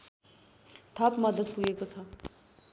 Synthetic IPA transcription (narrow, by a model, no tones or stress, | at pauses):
t̪ʰʌpmʌd̪ʌd̪puɡekot͡sʰʌ